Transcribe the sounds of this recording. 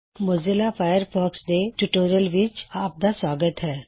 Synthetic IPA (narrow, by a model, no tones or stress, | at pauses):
mozɪlafʰaːjəɾpʰoːksd̪eʈuʈoːɾijəlʋɪt͡ʃaːp̚d̪aswaːɡət̪ɦɛː